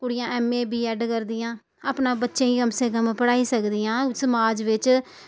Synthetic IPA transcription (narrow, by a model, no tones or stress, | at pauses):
kʊɽɪjãːɛːmːẽːbiːɛːɖkəɾd̪ɪjãː | aːpnãːbətːʃẽːiːkəmsẽːkəmpəɽaːiːsəkd̪ɪjãːsəmaːd͡ʒʋɪt͡ʃ